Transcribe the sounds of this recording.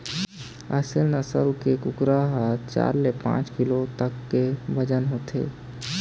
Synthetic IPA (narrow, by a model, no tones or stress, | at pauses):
ə̰selnasə̰ɾkekukɾaɦət͡ʃa̰ɾlepã̰t͡ʃkilot̪əkːebəd͡ʒənɦot̪ʰḛ